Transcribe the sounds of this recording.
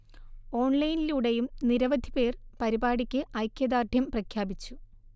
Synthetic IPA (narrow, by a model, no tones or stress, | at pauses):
o̞ːɳlɐjniluːɽejumniɾɐʋɐd̪ʱipe̞ːrpɐɾibaːɽikʲːɨʔɐjkʲːjɐd̪aːrd̪ʱjɐmprɐkʰjaːbit͡ɕːu